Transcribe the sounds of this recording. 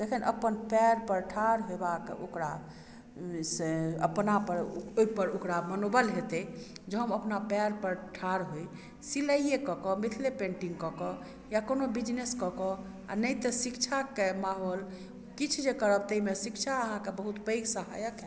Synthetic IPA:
d͡ʒ̪ekʰinʔə̰pənpɛɾpəɾʈʰaɾɦobakeʔokɾa | seə̰pnapəɾojpəɾokɾamənobəlɦet̪e | d͡ʒeɦəməpnapɛɾpəɾʈʰaɾɦoj | siləiekɔkɔmit̪ʰlepẽɳʈiŋɡkɔkɔ | jakonobid͡ʒneskɔkɔ | a̰nəjt̪əsikt͡ʃʰakemaɦol | kit͡ʃʰd͡ʒekəɾəb̚t̪əimesikt͡ʃʰaəɦãkebəɦut̪pəjɡsəɦa̰jəkɛ

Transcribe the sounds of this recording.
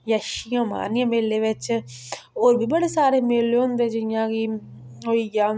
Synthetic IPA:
jəʃijãːma̰ːnjãːmeːleːʋɪt͡ʃ | oːɾbʱiːbəɽeːsaːɾeːmeːleõnd̪eːd͡ʒɪɪjãːkɪ | ɦoːiːjaː

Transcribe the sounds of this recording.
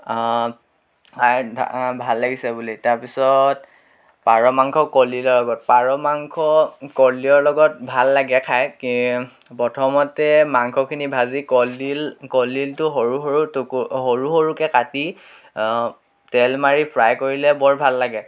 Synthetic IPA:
aɹbʱalːaɡisɛbulitaɹpisɔt | paɹɔmaŋkʰɔkɔlilɔɹlɔɡɔt̚paɹɔmaŋkʰɔkɔliɔɹlɔɡɔt̚bʱalːaɡɛkʰajki | pɔtʰɔmɔtɛmaŋkʰɔkʰinibʱazikɔlilkɔliltʊɦɔɹuɦoɹutukuɦoɹuxoɹukɛkati | tɛlmaɹipʰɹajkoɹilɛbɔɹbʱalːaɡɛ

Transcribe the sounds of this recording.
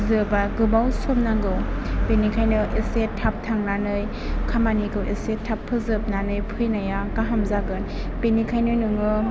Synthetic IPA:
zɯbaɡɯbawsɔmnaɡɯwbenikʰajnɯʔesetʰːap̚tʰaŋnanɯj | kʰamaniɡɯwʔesetʰapʰːɯzɯp̚nanɯjpʰɯjnajakaɦamzaɡɯn | b̥enikʰajnɯnɯŋɯ

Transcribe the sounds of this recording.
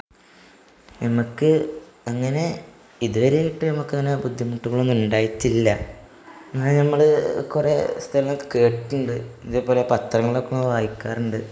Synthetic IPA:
nɐmukːɨɐŋːɐne̞ | iðuʋɐɾejiʈːɨnɐmukːɐŋːɐnebud̪ʱːjimuʈːuɣɐɭonːuɳɖaːjitːilːɐ | nːaːnɐmːɐɭɨkurest̪ʰɐlɐŋːɐkke̞ːʈːuɳɖɨiðepːoːlepɐt̪rɐŋːɐɭokːenːoʋaːjikːaːruɳɖɨ

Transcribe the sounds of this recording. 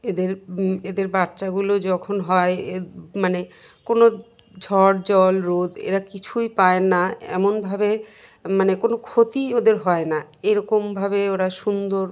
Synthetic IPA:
ed̪eɾed̪eɾbaɾt͡ɕaɡulod͡ʑɔkʰonɦɔeemane | kono | d͡ʑʱɔɾd͡ʑɔlɾod̪ḛɾakit͡ɕʰujpaenaɛ̰monbʱabe | manekonokʰot̪iod̪eɾɦɔenaeɾɔkombʱabeoɾaʃund̪oɾ

